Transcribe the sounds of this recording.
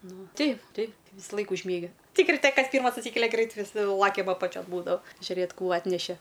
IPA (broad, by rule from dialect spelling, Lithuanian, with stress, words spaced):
ˈnʊ ˈtʲɛɪp ˈtʲɛɪp ʋʲiːsɐˈlˠɐɪk ʊʒʲˈmʲiɛɡʲɪ ˈtʲɪk rʲɪˈtʲɛ ˈkɐs ˈpʲiːrmɐs ɐtʲˈsʲiːkʲɛlʲɛ ˈɡrʲɛɪt ʋʲɪˈsʲɪ ˈlˠɑːkʲɛm ɐpɐˈt͡ʃʲoːn ˈbuːdɐʋɐ ʒʲʊˈrʲeːt ˈkuː ˈɑːtʲnʲɛʃʲɛ